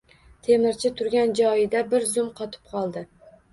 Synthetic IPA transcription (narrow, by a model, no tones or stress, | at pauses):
t̪ʰe̞mɪɾt͡ʃʰɪt̪ʰʊɾɡʲand͡ʒɒjɪd̪abɪɾzʊmqʰɒt̪ʰɪ̥p̚qʰɒlˠd̪ɪ